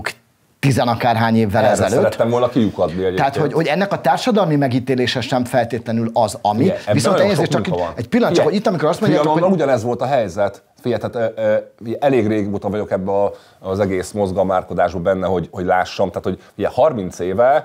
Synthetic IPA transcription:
k | t̪izɛnɒkaːrɦaːɲeːvːɛlɛzɛløːɾɛt̪ːɛmvolnɒkiukɒd̪niɛɛɦaːt̪hoɟho̞ɟɛnːɛkɒt̪aːrʃɒd̪ɒlmimɛɡiːt̪eːleːʃɛʃɛɱfɛlt̪eːt̪lɛnylɒzɒmivisonɛɲɛzeʃt͡ʃkinɛcpilːɒnt͡ʃkhoit̪ːɒmiko̞ɾɒst̪moɲɟaːouɟɒnɛzʋo̞lt̪ɒɦɛjzɛt̪ | fijɛt̪at̪ːiɛʔɛleːɡreːɡot̪ɒvɒɟo̞kɛbːɛɒ | zɛɡeːsmozɡɒmaːrko̞d̪aːʒbɒbɛnːɛɦo̞ɟho̞ɟlaːʃːɒmt̪aːt̪ho̞ɟ | iɛhɒrmint̪seːvɛl

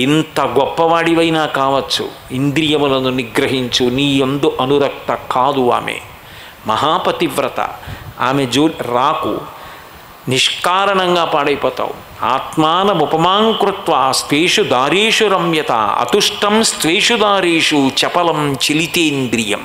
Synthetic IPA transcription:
int̪ɐɡɔpːɐʋaːɽiʋɐjinaːkaːʋɐt͡ʃːṵ | ind̪ɾijɐmulɐnuniɡɾɐɦiɲt͡ʃuniːend̪uʔɐnuɾɐk̚t̪ɐkaːd̪ua̰ːmḛ | mɐ̰ɦaːpɐt̪iʋɾɐt̪ɐ̰a̰ːmed͡ʒoːɾaːkṵ | niʂkaːɾɐɳɐŋɡaːpaːɽɐjpɔːt̪a̰ːṵ | a̰ːt̪maːnɐmupɐmaːŋkɾut̪ʋaːst̪ʋeːʂud̪aːɾeːʂuɾɐmjɐt̪a̰ːɐ̰t̪uʂʈɐmst̪ʋeːʂud̪aːɾeːʂut͡ʃɛpɐlɐmt͡ʃilit̪eːind̪ɾijɐ̰m

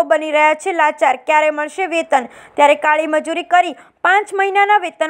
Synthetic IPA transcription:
obəniɾəɦjat͡ʃʰelat͡ʃaɾkjaɾeməɭʃeʋet̪ənt̪jaɾekaɭiməd͡ʒuɾikəɾi | pãt͡ʃməɦinanaʋet̪ən

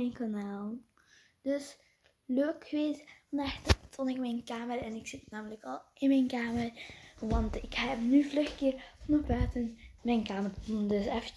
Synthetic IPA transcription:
ɛjnkanaːlˠ | d̥ɵs | løːkxəʋeːsfɑnɛxttɔnɪkmɛjnkaːmərɛnɪksɪtnaːmələkɑlˠɪnmɛjnkaːmərʋɑntɪkhɛpnyvlɵxkɪːrfɔnəbœɥtənmɛjnkaːmərtundəsɛfə

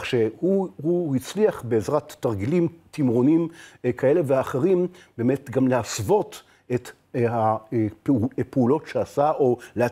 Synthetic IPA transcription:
χʃehuhuhit͡sliaχbe̞ːzʁatːaʁɡilimt̪imʁo̞nimkʰae̞leveːχeʁimbeːme̞tɡamleasvo̞t | et | happeulo̞tʃeasaʔo̞lea

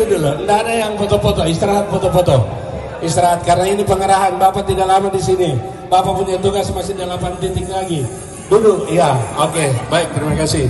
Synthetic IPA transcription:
udulundaɦadajaŋpɔt̪ɔpɔt̪ɔist̪ɾaɦat̪̚pɔt̪ɔpɔt̪ɔ | ist̪ɾaɦat̪̚karnainipəŋəɾaɦanbapat̪idaʔlamadisini | bapapunat̪uɡasmasɪdalapant̪int̪ɪk̚laɡi | dulʊjaokebaɪk̚t̪əɾimakasɪh

